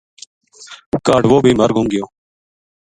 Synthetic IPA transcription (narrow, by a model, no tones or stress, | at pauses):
kaːɖʋoːbʱiːməɾɡʱũːŋɡɪjoː